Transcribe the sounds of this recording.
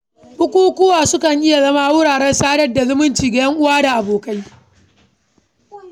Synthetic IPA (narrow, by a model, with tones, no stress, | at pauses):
bʊ˦kʷuː˦kʷʊː˦waː˨sʊ˦kɐ˨ŋʔɪ˦ja˨zɐ˦maː˦wʊ˦ɽaː˨ɽɛ˦nsaː˦ɽɐ˦rda˨zʊ˦mʊ˦nt͡ʃiː˨ɡa˨jɐ˦ŋʔʊ˦waː˦da˨ʔa˨boː˨ka˦j